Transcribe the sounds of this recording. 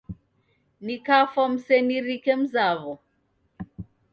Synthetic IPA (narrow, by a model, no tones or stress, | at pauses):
nikafɔm̩sɛniɾikɛm̩zaβɔ